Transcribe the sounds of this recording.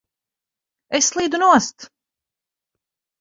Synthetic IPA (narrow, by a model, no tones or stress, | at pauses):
eslˠiːd̪unuɔst̪